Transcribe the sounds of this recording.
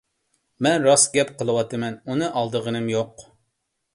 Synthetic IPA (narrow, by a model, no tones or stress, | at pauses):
mɛnɾɑsɡʲɛpqʰəlˠɨwɑt̪ɨmɛnunɨʔɑlˠd̪əʁənɨmjoq